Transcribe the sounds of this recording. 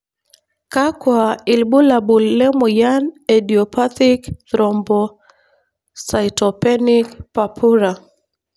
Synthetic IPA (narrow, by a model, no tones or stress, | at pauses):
kakwaɪlbulabulːɛmɔjanadiɔpat̪ikd̪ɾɔmbɔ | sajtɔpɛnikpapʰuɾa